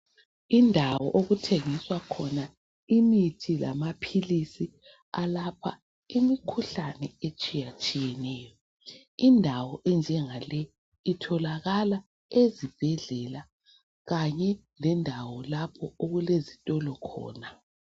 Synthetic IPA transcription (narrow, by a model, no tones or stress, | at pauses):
indʱawɔ̰ʔoɣutʰeŋiswakʰɔna | imitʰila̰mapʰilisi | alapʰa̰ | imikʰuɬanɛet͡ʃʼijat͡ʃʼijɛnɛːjɔ | indʱawɔʔɛnd͡ʒʱɛŋalɛ | itʰɔlaɣala | ezib̥ʱɛɮɛla | ɣaɲɛ | lɛndʱawɔlapʰɔoɣulezitʼɔlɔkʰɔ̰ːna